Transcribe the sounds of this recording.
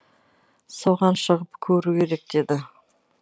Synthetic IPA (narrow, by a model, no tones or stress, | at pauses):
so̞ʁɑnʃəʁəpkʲʰɵɾukʲʰe̞ɾe̞k̚d̪̥e̞d̪ɪ